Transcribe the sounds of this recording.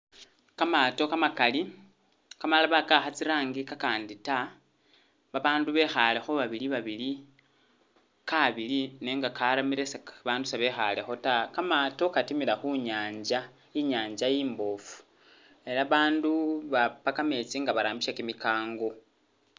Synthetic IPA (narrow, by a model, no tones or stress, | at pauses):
kamato̞kamakali | kamalaβakaxat͡siɾaːŋɡikakaːndita | βaβaːnduβe̞xale̞xo̞βaβiliβaβili | kaβilineŋɡakaɾamiɾeseβaːndusaβe̞xa̰le̞xo̞takamato̞katimilaxuɲaːɲd͡ʒa | jiɲaːɲd͡ʒajiːmbo̞fu̥ | e̞ɾaβaːnduβapakame̞t͡siŋɡaβaɾaːmbiʃakimikaːŋɡo̞